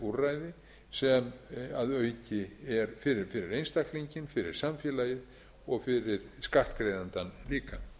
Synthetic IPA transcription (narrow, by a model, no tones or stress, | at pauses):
urajðɪ | sɛmaðœɥcɪɛɾfɪɾɪfɪɾɪɾejnst̪ahkt̪liɲcɪnfɪɾɪ̰ɾ̥samfjɛlajɪð | ɔɣfɪɾɪɾ̥skar̥t̪kɾejðant̪anliːka